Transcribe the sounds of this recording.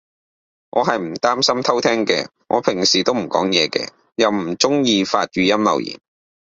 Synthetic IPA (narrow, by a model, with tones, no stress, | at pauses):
ŋʔɔː˨˧ɦɐ˨jm̩˨˩t̪aː˥msɐ˥mt̪ʰɐ˥wt̪ʰɛː˥ŋkɛ̰ː˧ŋʔɔ̰ː˨˧pʰɪ˨˩ŋsiː˨˩t̪o˥wm̩˨˩kɔ̰ː˨˥ŋjɛː˨˧kɛ̰ː˧ | jɐ˨wm̩˨˩t͡sʊ˥ŋjiː˧faː˧t̚jyː˨jɐ˥mlɐ̰˨˩wjḭː˨˩n